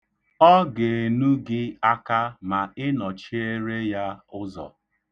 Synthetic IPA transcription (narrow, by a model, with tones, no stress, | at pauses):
ɔ˦ɡe˨e˨nu˦ɡɪ˦a˦ka˦ma˨ɪ˦nɔ˨t͡ʃi˦e˦ɾe˦ja˦ʊ˦zɔ̰˨